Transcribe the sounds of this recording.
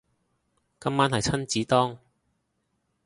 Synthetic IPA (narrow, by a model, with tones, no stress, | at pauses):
kɐ˥mːaː˥nhɐ˨jt͡sʰɐ˥nt͡siː˨˥t̪ɔː˥ŋ